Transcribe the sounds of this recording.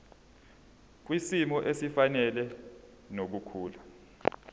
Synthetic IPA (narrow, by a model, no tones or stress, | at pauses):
k̬wisimɔʔesifanɛlɛ | nok̬ukʰuːla